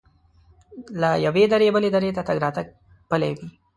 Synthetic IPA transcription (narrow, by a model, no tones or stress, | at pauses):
lajɐʋeːd̪ɐɾebɐled̪ɐɾeːt̪ɐt̪ɐɡɾaːt̪ɐk̚ | pɐleːʋi